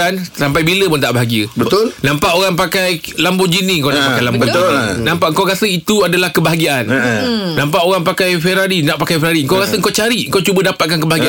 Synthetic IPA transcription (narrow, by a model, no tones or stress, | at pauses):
ansampajbiləpʊnt̪aʔbaɦaɡiəbət̪olnãmpaʔoɣaŋpakajlambod͡ʒiniŋkawnnapakkajlambot̪nãmpaʔŋkawkasəit̪uadalahkəbaɦaɡiaannãmpaʔoɣaŋpakajfɛɾaɾinaʔpakajfɛɾaɾiəŋkawkasəŋ̩kawt͡ʃaɾiəŋkawt͡ʃubədapat̪̚kankəbaɦaɡi